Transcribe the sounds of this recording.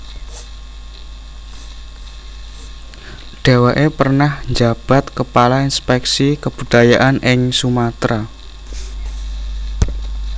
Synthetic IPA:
ɖ̥a̤waʔepərnahɲd͡ʒab̥a̤t̪kəpalainspɛksikəb̥ṳd̪̥ajaʔanɪŋsumat̪ɾa

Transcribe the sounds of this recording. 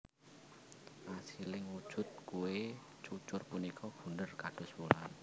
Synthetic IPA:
ʔasilɪŋwud̥ʒ̥ʊ̤t̪̚kuwe | t͡ʃut͡ʃʊrpunikʰɔb̥ṳnərkaɖ̥ɔ̤sbulan

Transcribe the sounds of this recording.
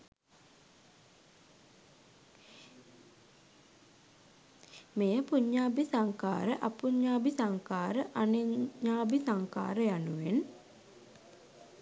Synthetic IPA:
mejəpuɲːaːbisaŋka̰ːɾəʔapuɲːaːbisaŋkaːɾəʔaneɲːaːbisaŋka̰ːɾəjanuʋen

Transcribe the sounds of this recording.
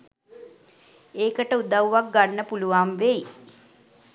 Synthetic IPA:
eːkəʈəud̪awʋak̚ɡanːəpuluʋamʋej

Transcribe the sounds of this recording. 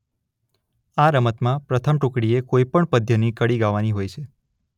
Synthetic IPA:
aɾəmət̪mãpɾət̪ʰəmʈũkɽiekoipəɳpəd̪ʱjənikəɽiɡaʋaniɦojt͡ʃʰe

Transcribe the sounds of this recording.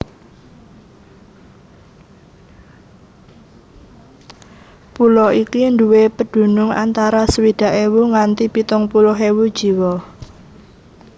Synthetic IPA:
pulɔikind̪uwepəɖ̥ṳnʊŋa̰nt̪aɾasəwid̪̥ä̤ʔewuŋant̪ipit̪ʊŋpulɔɦewud̥ʒ̥i̤wɔ

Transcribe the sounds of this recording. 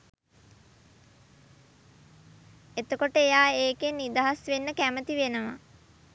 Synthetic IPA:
et̪əkoʈəejaːeːkenːid̪aɦasʋenːəkæmət̪iʋenəʋa̰

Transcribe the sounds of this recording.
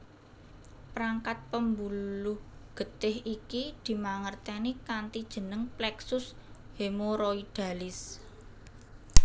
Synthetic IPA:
pɾaŋkat̪̚pəmbulʊhɡ̥ə̤t̪ɪɦikid̪̥i̤maŋərt̪ɛnikant̪id̥ʒ̥ə̤nəŋplɛksʊs | hemoɾoid̥ä̤lɪs

